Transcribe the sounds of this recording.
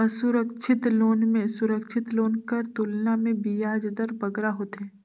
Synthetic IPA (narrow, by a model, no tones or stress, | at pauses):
ɐsʊɾəkʃʰɪt̪loːnmẽsʊɾəkʃʰɪt̪loːnkɐɾt̪ulnamẽbijaːd͡ʒd̪əɾbɐɡɾaɦoːt̪ɦɛ̃ː